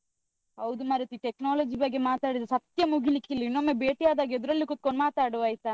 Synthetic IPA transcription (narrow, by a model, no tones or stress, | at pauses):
ɦɐwd̪umaːɾit̪iʈeknaːlɐd͡ʒibɐɡːe̞maːt̪aːɽid̪usɐt̪jɐmuɡilikilːinːomːebeːʈiaːd̪aːɡied̪uɾɐlːikut̪̚koɳɖmaːt̪aːɽuaːjt̪a